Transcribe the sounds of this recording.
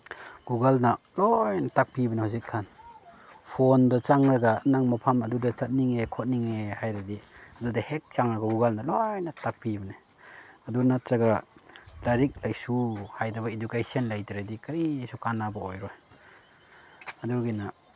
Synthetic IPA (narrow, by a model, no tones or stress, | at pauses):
ɡ̥uɡalna | lojnatak̚pibɐnehazit̚kʰan | pʰondɐt͡ʃaŋɾaɡanaŋmapʰamɐdudɐt͡ʃat̚niŋekʰot̚niŋehajɾadiɐdudɐhek̚t͡ʃaŋɾɐɡɐɡuɡalnalojnatak̚pibɐne | adunat̚ɾaɡalaɾik̚lajsuhajdɐbɐidukajsianlajtiɾadikaɾisukanabaojɾɔj | aduɡina